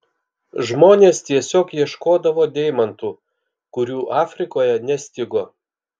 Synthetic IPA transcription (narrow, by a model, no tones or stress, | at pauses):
ʒmoːnʲeːst̪ʲiɛsʲoːkjiɛʃkoːd̪ɐʋoːd̪ʲɛɪmɐnt̪uː | kʊɾʲuːʔɑːfʲɾʲɪkoːjɛnʲɛsʲt̪ʲɪɡoː